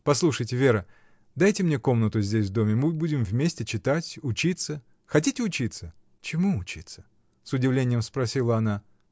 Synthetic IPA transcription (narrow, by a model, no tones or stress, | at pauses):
pɐslˠuʂəjtʲɪvʲe̞ɾə | d̪ajtʲɪmnʲe̞ko̞mnət̪ʊzʲdʲesʲvd̪o̞mʲɪmɨbudʲɪmvmʲesʲtʲɪt͡ɕɪt̪atʲʊt͡ɕit̪sə | xɐtʲitʲɪʊt͡ɕit̪sə | t͡ɕɪmuʊt͡ɕit̪sə̥ | sʊdʲɪvlʲenʲɪjəmspɾɐsʲilˠəɐna